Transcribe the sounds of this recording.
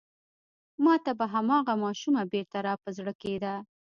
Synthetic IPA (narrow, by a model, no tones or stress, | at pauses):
mɑt̪abaɦamɑɣamɑʃumabeɾt̪aɾɑpəzɽəked̪a